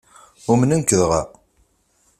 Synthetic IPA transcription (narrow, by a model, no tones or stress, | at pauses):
ʊmənənkəðʁæ̰